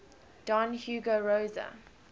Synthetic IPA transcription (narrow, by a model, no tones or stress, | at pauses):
d̥ɔ̃nhjuːɡəɹoːzə̰